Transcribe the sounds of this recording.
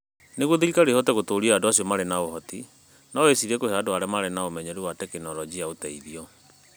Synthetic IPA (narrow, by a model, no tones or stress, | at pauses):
neɣwoðeɾikaɾehɔtɛɣotoɾiaadoasiɔmaɾenaoɦɔti | naɔesiɾɛkoheadoaɾɛmaɾenaomɛɲɛɾiwatɛkenɔɾɔd͡ʑiaotɛiðiɔ